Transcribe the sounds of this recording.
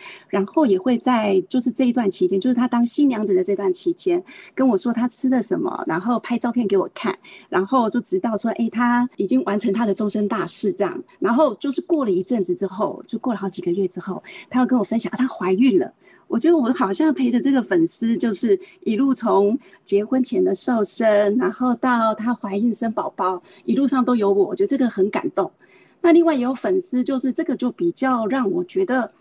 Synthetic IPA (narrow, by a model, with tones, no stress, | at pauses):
ɻa˧˥nxo˥˩ʊjɛ˨˩xwe˥˧ɪt͡sa˥˧ɪt͡ɕjo˥˧ʊʂɻ̩˥˧ʈ͡ʂɤ˥˩i˧t̪wa˥˩nt͡ɕʰi˧˥t͡ɕjɛ˥nt͡ɕjʂ̩ʰ˥˩a˥t̪ɑ˥ŋɕi˥nljɑ˧˥ŋʈ͡ʂə˨˩d̪ə˩ʈ͡ʂɤ˥˩i˧t̪wa˥˩nt͡ɕʰi˧˥t͡ɕjɛ˥nkə˥nwɔ˨˩ʂwɔ˥t̪ʰa˥ʈ͡ʂʰɻ̩˥d̪ə˨ʂə˧˦˥nmə̰˧ɻa̰˧˥nxo˥˩ʊpʰa˥ɪʈ͡ʂɑ˥˧ʊpʰjɛ˥˩nŋke˧˥ɪwɔ˨˩kʰa̰˥˩nɻa˧˥nxo˥˧ʊt͡ɕjo˥˩ʊʈ͡ʂɻ̩˧˥t̪ɑ˥˩ʊʂwɔ˥ʔe˥˩ɪt̪ʰa˥i˨˩t͡ɕi˦ŋwa˧˥nʈ͡ʂʰə˧˥ŋt̪ʰa˥d̪ə˨ʈ͡ʂʊ˥ŋʂə˥nt̪a˥˧ʂɻ̩˥˧ʈ͡ʂɑ̰˥˩ŋɻa˧˥nxo˥˧ʊt͡ɕjo˥˧ʊʂɻ̩˥˧kwɔ˥˩lə˩i˧˥ʈ͡ʂə˥˩nt͡sɹ̩˨˩ʈ͡ʂɻ̩˥xo˥˩ʊjo˥˧˥kwɔ˥˩lə˩xɑ˧˥˩ʊt͡ɕi˨ɡə˩ɥɛ˥˩ʈ͡ʂɻ̩˥xo˥˩ʊt̪ʰa˥t͡ɕjkə˥nwɔ˨˩fə˥nɕjɑ˨˩ŋʔt̪ʰa˥xwa˧˥ɪy˥˩nlə̰˩ | wɔ˨˩t͡ɕɥɛ˧˥d̪ə˧wɔ˧˩xɑ˨˩ʊɕjɑ˥˩ŋpʰe˧˥ɪʈ͡ʂə˨ʈ͡ʂɤ˥˩ɡə˩fə˨˩ns̩˥t͡ɕjo˥˧ʊʂɻ̩˥˩i˨˩lu˥˩t͡sʰo˧˦˥ŋ | t͡ɕjɛ˧˥xwə˥nt͡ɕʰjɛ˧˥nd̪ə˨ʂo˥˩ʊʂə˥nna˧˥nxo˥˧ʊt̪ɑ˥˩ʊt̪ʰa˥xwa˧˥ɪy˥˩nʂə˥npɑ˨˩ʊpɑ˥ʊ | i˨˩lu˥˧ʂɑ˥˩ŋt̪o˥ʊjo˧˥ʊwɔ˨˩wɔ˨˩t͡ɕɥɛ˧˥d̪ə˧ʈ͡ʂɡə˩xə˧˥nka̰˨˩nt̪ʊ˥˩ŋ | na˥˧li˥˧ŋwa˥˩ɪjo˧˥ʊfə˨˩nsɹ̩˥t͡ɕjo˥˧ʊʂɻ̩˥˧ʈ͡ʂɤ˥˩ɡə˩t͡ɕjo˥˩ʊpi˨˩t͡ɕjɑ˥˩ʊɻɑ˥˩ŋwɔ˨˩t͡ɕɥɛ˧˥d̪ə˨